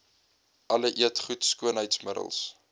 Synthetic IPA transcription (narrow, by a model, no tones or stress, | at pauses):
ʔɐləʔiətχutskuənɦəjtsmədə̰lˠs